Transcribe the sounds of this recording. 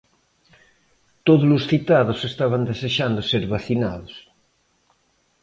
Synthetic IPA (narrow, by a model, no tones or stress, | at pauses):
t̪oðʊlʊsθit̪aðʊsest̪aβand̪eseʃand̪ʊseɾβaθinaðʊs